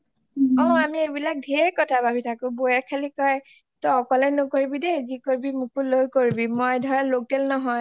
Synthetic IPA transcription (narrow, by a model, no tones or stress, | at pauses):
ɔ̃amiebilak̚dʱeɹkɔtʰabʱabitʰakʊbojakʰalikɔj | tɔɔkɔlɛnʊkoɹibidɛzikoɹibimukulojkoɹibimɔjdʱɔɹalokɛlnɔɦɔj